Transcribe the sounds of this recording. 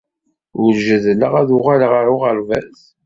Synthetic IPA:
ʊɾʒəðləʁæðʊʁalʁəɾʊʁəɾvæ̰θ

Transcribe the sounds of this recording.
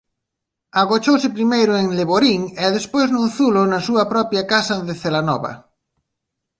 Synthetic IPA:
aɣot͡ʃowsɪpɾimejɾʊeŋleβoɾiŋɛðespojznũnθulʊnɐsuɐpɾɔpjɐkasɐðɪθelanɔ̰βɐ̰

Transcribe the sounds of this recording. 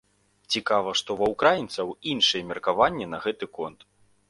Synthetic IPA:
t͡sʲikavɐʂt̪ɔvɐwkɾajint̪sɐwinʂɨjɛmʲɛrkavanʲːɛnɐɣɛt̪ɨkɔnt̪

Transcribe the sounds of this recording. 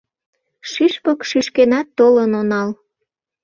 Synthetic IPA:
ʃiʃpɤkʃiʃkenɑt̪ːolənonɑl

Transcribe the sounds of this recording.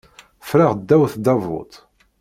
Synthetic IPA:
fɾaʁd̪ːæwθd̪ɑvʊ̰t̪ˤ

